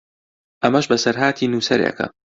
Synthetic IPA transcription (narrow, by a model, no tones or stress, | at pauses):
ʔɐmɐʃbɐsɐɾɦaːt̪ʰiːnuːsɐɾḛkʰɐ̰